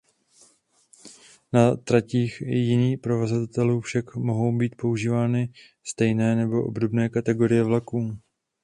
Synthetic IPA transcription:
nat̪ɾaciːxjɪniːxpɾo̞vazat̪at̪ɛluːfʃakmo̞ɦo̞wbiːt̪̚po̞uʒiːvaːnɪ | st̪ɛjnɛːnɛbo̞ʔo̞̰bdo̞bnɛːkat̪ɛɡo̞ɾɪjɛvlakuː

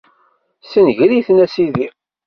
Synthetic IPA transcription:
sənʝɾiθnæsiði

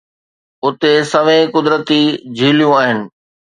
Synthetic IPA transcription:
ʊt̪esɐʋẽkʊd̪ɾət̪id͡ʑʱiːlijũaːɦɪnɪ̆

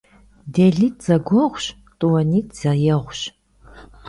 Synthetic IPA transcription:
deːɮiːtʰz̥ɐɡʷɔʁʷɕ | tʼuwɐniːtʰz̥ɐjɛʁʷɕ

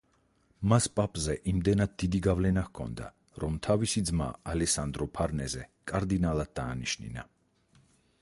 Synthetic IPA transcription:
maspʼapʼzɛʔimd̪ɛnad̪̚d̪id̪iɡavlɛnahkʰɔ̰nd̪a̰ | ɾɔmt̪ʰavisid̪zma̰alɛsand̪ɾɔpʰaɾnɛzɛkʼaɾd̪inalˠad̪̚d̪aːniʃnḭna

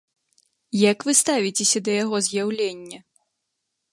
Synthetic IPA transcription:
jakvɨst̪avʲit͡sʲesʲɐd̪ɐjaɣɔzjawlʲenʲːɐ

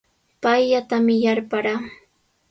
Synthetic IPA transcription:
pajʎat̪amɪjaɾpaɾaː

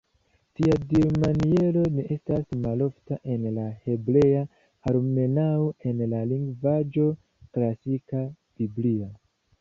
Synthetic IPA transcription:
tiaɡiɾmanie̞lo̞neʔe̞stasmalo̞ftaʔe̞nlahe̞bɾe̞a | aɾme̞naoe̞nlaliŋɡvad͡ʒo̞ | klasika | b̥iblia

